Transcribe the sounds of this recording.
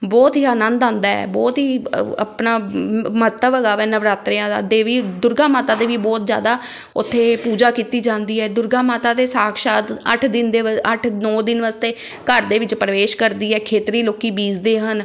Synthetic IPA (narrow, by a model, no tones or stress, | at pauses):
bɔːt̪ɦiːaːnə̃nd̪ãːnd̪aːɛ̰ːbɔːt̪ɦiːə̰pnaːmət̪əʋəɡaːʋɛːnəʋɾaːt̪ɾɪjãːd̪a̰ːd̪eːʋiːd̪ʊɾɡãːmaːt̪aːt̪eːʋiːbɔːt̪zja̰ːd̪aː | ʊ̰t̪ʰːeːpuːd͡ʒaːkiːt̪iːd͡ʒãːnd̪iːɦɛːd̪ʊɾɡãːmaːt̪aːd̪eːsaːkʃaːt̪ə̰ʈʰd̪ɪnd̪eəʈʰnɔːd̪ɪnʋəst̪eː | kəɾd̪eːʋɪt͡ʃpɾəʋeːʃkəɾd̪iːɛːkʰeːt̪ɾiːloːkiːbiːzd̪eːɦən